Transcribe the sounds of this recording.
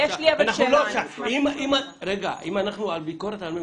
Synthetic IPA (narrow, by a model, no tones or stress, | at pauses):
jeʃliabanaχʃuloʃaimimaɾeɡa̰ʔimanaχnualbikoɾet̪alme